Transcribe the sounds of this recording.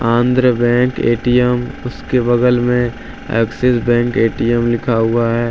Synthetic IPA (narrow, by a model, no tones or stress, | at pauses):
ãːnd̪ɾəbɛ̃ːŋkḛːʈijəmʊskebɐɡəlmẽ | ḛksesbɛ̃ːŋkeːʈijəmlɪkʰaɦʊaɦɛː